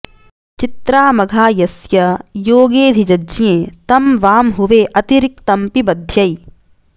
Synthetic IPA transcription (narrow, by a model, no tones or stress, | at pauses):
t͡ʃit̪ɾaːmɐɡʱaːjɐsjɐjoːɡeːd̪ʱid͡ʒɐd͡ʒjẽːt̪ɐmʋaːmɦuʋeːʔɐt̪iɾik̚t̪ɐmpibɐd̪ʱjɐj